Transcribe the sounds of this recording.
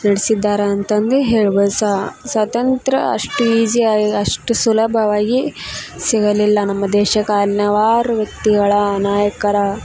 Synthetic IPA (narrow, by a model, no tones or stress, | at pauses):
nɐɽisid̪ːaːɾɐɐnt̪ɐnd̪eɦeːɭʋɐsasɐt̪ɐnt̪ɾɐɐ̰ʂʈuiːd͡ʒiaːɡiɐʂʈusulɐbʱɐʋaːɡisiɡɐlilːɐnɐmːɐd̪ɛːʃɐkaːlinɐʋaːɾuʋjɐk̚t̪iɡɐɭɐnaːjɐkɐɾɐ